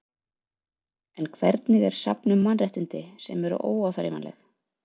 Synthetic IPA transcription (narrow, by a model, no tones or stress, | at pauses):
ɛnkʰvɛɾt̪nɪɣɛɾ̥sa̰pnʏmːanrɛht̪ɪnt̪ɪsɛmɛɾʏ̰ʔoːwawθaɾɪ̰ma̰nlɛ̰x